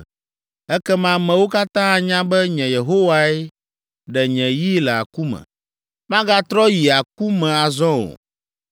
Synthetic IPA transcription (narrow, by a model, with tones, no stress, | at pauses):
ɛ˦kɛ˦mã˦mɛ̃˨wo˦ka˦t̪ã˦a˨ɲã˦bɛ˦ɲɛ̃˨je˨ɦo˦wa˦ɛ˦ | ɖɛ˨ɲɛ̃˨ji˦lɛ˨a̰˨ku˦mɛ̰̃˨ | mã˦ɡa˦t̪ɾɔ˦ji˨a˨k̚u˦mɛ̃˨a˨zɔ̃˦o̰˨